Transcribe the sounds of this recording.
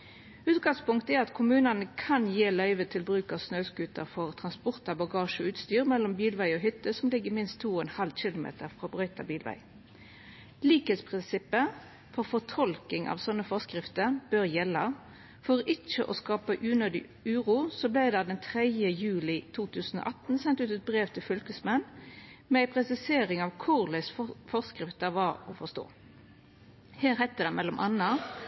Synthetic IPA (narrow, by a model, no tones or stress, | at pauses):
ʉːt̪ɡɑŋspʊŋkt̪əæɾɑt̪kʰʊmʉːnɑnəkʰɑnjeːlœʏʋət̪ʰɪlbɾʉːkɑʋsnœʉskʉːt̪əʁfɔʁt̪ʰʁɑnspʊʁt̪ɑbɑɡɑːʃəɔʉːt̪st̪yːʁmɛlːɔmbiːlʋæɪɔɦʏt̪ːəsɔmlɪɡːəmɪnst̪ʰːuːɔɛnhɑlɕɪlʊmḛːt̪əɾfʁoːbʁœʏt̪ʰɑ̰biːlʋæ̰ɪ | liːkheːt̪spʰʁɪnsɪpːə | fɔʁfɔt̪ʰɔlkɪŋʔɑ̰ːʋsɔnːəfɔskɾɪft̪əʁb̥øːʁjɛlːɑ | fɔʁɪt͡ʃːəʔɔskɑːpəʔʉːnøːd̪ɪ̰ | ʉːʁuːsɔblæɪd̪ɑd̪ɛnt̪ʰʁɛd̪jəjʉːlɪt̪ʰuːt̪ʰʉːsn̩o̰ːʔɑt̪n̩sɛnt̪ʉːt̪ɛt̪̚bʁeːʋt̪ʰɪlfʏlkəsmɛnmɛæɪpʰʁɛsɪseːɾɪŋɑʋkʰʊʁlæɪsfɔʁskʁɪft̪əɾʋɑːɾɔfɔst̪o̰ː | heːʁhæɪt̪əd̪ɛmʔɛlɔmʔɑnɑ